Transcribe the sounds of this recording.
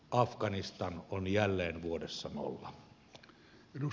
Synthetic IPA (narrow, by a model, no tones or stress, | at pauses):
ʔɑfkɑnist̪ɑnonjælːeːnʋuodesːɑno̰lːɑ | edu